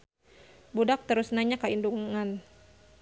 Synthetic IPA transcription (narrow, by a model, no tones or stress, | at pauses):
budak̚t̪əɾʊsnaɲakːainduŋan